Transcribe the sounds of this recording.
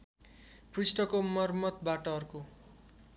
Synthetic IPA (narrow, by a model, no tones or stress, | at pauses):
prisʈʌkomʌrmʌt̪baʈʌʌrko